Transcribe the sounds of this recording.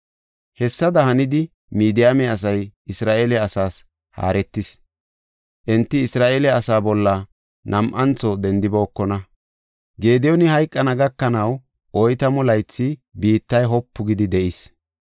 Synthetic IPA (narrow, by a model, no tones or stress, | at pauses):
hɛsːɐd̪ɐhɐnɪd̪ɪ | miːd̪ɪjamɛɐs̬ɐjɪsɾaːʔelɛɐsaːs | ha̰ːɾɛt̪ːɪs | ʔɛnt̪ːɪːsɾaːʔeːlɛɐsaːbɔlːɐ | nʔɐmʔɐnt͡sːɔd̪ɛnd̪ɪbo̞ːkːɔnɐ | ɡe̞ːd̪ɛjɔnɪhɐjkʼːɐnɐɡɐkːɐnɐw | ʔɔjt̪ɐmʊlɐjt͡sːɪbiːt̪ːɐjɦɔpːʊɡɪd̪ɪd̪ɛʔɪs